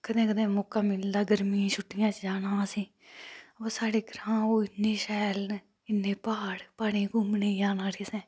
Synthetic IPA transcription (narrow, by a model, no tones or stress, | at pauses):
kəd̪ẽːkəd̪ẽːmoːkaːmɪld̪aːɡəɾmĩːt͡ʃʰʊʈʰːɪjãːt͡ʃd͡ʒaːnaːsĩː | əpasaːɽeːɡəɾãːoːɪnːeːʃɛːln | ɪnːẽːpaːɽpaːɽẽːɡʊmneːjãːnaːɽeːsɛ̃ː